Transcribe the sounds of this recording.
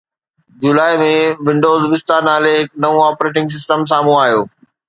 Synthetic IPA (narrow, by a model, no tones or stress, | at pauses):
d͡ʑʊlaːɪmẽʋɪ̃ɳɖoːzʋɪst̪anaːleɦɪknɐʋũɔːpɾeːʈ̬ɪ̃ŋɡs̬ɪsʈəms̬aːmũaːɦjoː